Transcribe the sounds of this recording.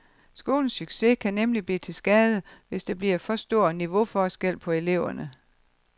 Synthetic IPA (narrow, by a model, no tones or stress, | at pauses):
sɡ̥o̝̰ːln̩syɡ̥se̝kʰænemlib̥liːt͡sʰe̝lsɡ̥ɛːð̞ˠəʋe̝sd̥eb̥liɐfɒ̽sd̥o̝ɐ̰niʋo̝fɒːsɡ̥el̰pʰɒ̽e̝le̝ʊ̰ɐnə